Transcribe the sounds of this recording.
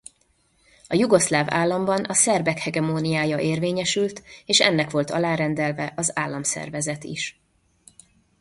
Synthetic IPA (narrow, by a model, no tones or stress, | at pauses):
ɒjuɡo̞slaːvaːlːɒmbɒnʔɒsɛrbɛkhɛɡɛmoːnijaːjɒʔeːrveːɲɛʃylt̪eːʃɛ̰nːɛkʋo̞lt̪ɒ̰laːɾɛnd̪ɛlvɛʔɒzaːlːɒmsɛ̰rvɛzɛt̪ḭʃ